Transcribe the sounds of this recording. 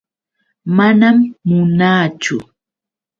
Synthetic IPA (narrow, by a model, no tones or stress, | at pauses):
manamːʊnaːt͡ʃʊ